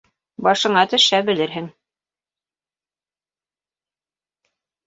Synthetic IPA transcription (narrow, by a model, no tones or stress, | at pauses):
bɑʃɤ̆ɴɑt̪ɵ̆ʃæbɘ̆lɘɾɦɘŋ